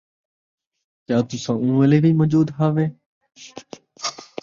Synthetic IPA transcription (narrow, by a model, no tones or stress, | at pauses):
kjaːt̪ʊsãːũːəleːbʱiːmɔːd͡ʒuːd̪ɦaːʋẽː